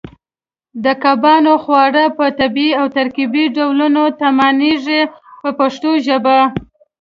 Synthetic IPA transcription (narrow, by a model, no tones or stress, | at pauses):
d̪əkabɑnoxwɑɽapət̪abiawt̪aɾkibiɖawlunot̪amɑniʐepəpaʂt̪oʒəba